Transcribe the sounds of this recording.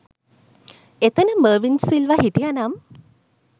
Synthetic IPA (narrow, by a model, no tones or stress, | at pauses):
et̪ənəməːʋinsilʋaɦiʈijanam